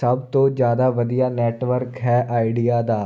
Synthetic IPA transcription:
əbt̪õːd͡ʒjaːd̪aːʋəd̪ijaːnɛːʈʋəɾkɦɛːʔaːɪɖijaːd̪aː

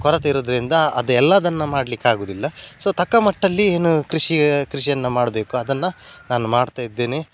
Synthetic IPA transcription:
kɔɾɐt̪ɐiɾoːd̪ɐɾind̪ɐɐd̪ɐɛlːɐɐd̪ɐnːɐmaːɽɐlikːaːɡoːd̪ilːɐsoːt̪ʰɐkːɐmɐʈːɐlːie̞ːnukɾiʂikɾiʂijɐnːɐmaːɽɐbe̞ːkuɐd̪ɐnːɐnaːnumaːɽt̪aːjid̪ːe̞ːneː

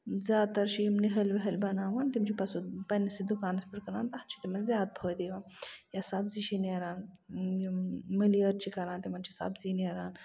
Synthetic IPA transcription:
zʲjaːd̪̚t̪ɐɾʃimniɦɐlʋɐɦɐlbɐnaːnʋant̪imt͡ʃʰipɐsupɐnːɐsid̪ukaːnɐspɐɾkɐnaːnt̪ɐht͡ʃʰi̥t̪imɐnzjaːd̪̚bʰʱəːd̪iːʋaːnjasabziʃineːɾaːnjmilijɐɾt͡ʃʰikɐɾãːnt̪imɐnt͡ʃʰisa̰bzineɾaːn

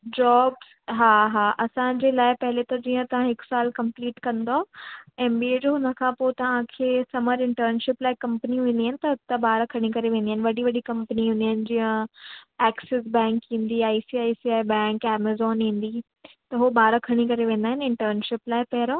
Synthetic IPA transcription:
d͡ʑɔːbz | ɦaːɦaːʔɐsãd͡ʑeːlaːɪpɐɦɪlet̪ɐd͡ʑiːə̃t̪ɐʋ̤ãɦɪksaːlkɐ̃mpliːʈkɐ̃nd̪oaeːmbieːd͡ʑoɦnɐkʰãːpot̪ɐʋ̤ãkʰeːsɐməɾɪ̃ɳʈəɾnʃɪplaːɪkɐ̃mpəniẽːnd̪iɦaɪnɪ̆t̪ɐt̪ɐbaːɾkʰɐɽ̃ikɐɾeʋẽːnd̪iaːɦɪnɪ̆ʋɐɗiʋɐɗikɐ̃mpniɦʊ̃nd̪iɦɪnɪ̆d͡ʑiːə̃ | ɛːksɪs̬bɛ̃ːŋkɦĩːnd̪iaːisiaːisiaːbɛ̃ːŋkɛːməzɔːnĩːnd̪i | t̪ɐɦobaːɾkʰɐɽ̃ikɐɾeʋẽːnd̪aːɦɪ̃nɪ̃ɳʈəɾnʃɪplaːɪpɛɦɪɾoː

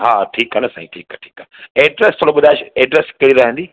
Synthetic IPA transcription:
ɦaːʈʰiːkɦənəsãːĩʈʰiːkʈʰiːkəneːɖɾɛst̪ʰoːɽoɓʊd̪ʱaːeʃeːɖɾɛskeɽiɾɐɦə̃nd̪iː

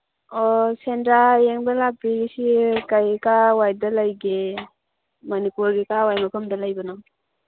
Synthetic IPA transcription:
ɔsendɾaeŋbalak̚ːisikajkawajdalajɡe | mɐnipuɾɡikawajmakʰɔmdalajbɐnam

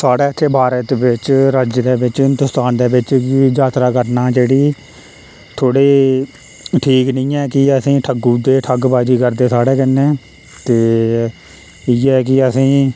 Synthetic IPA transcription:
saːɽeːt̪ʰːeːbaːɾeːt̪ebɪt͡ʃɾəd͡ʒd̪eːbɪt͡ʃɪnt̪ʊst̪aːnd̪eːbɪt͡ʃkɪd͡ʒaːt̪ɾaːkəɾnaːd͡ʒeːɽiː | t̪ʰoːɽeː | ʈʰiːknɪ̃ːɛːkɪəsĩːʈʰəɡuːd̪eːʈʰəɡbaːd͡ʒiːkəɾd̪eːsaːɽeːkənːẽː | t̪eː | iːɛːkɪəsĩː

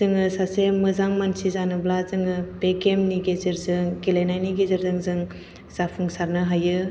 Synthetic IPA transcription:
zɯŋɯsasemmɯzaŋmansizanɯblazɯŋɯpekemniɡezɯɾzɯŋkelenajniɡezɯɾzɯŋzɯŋ | z̥apʰuŋsaɾnɯɦajɯ

